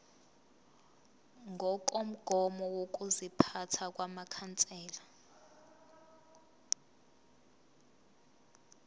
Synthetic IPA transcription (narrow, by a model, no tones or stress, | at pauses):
ŋʱɔk̬ʼom̩ɡ̥ʱɔmɔwok̬ʼuzipʰatʰak̬ʼwamakʰant͡sʼɛːla